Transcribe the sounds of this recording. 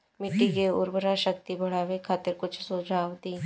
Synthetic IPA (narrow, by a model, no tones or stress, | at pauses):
mɪʈːikeʊɾbəɾaʃək̚t̪ibʱɐɽ̤aːʋekʰaːt̪ɪɾkʊt͡ʃʰsʊd͡ʒʱaːʋd̪iː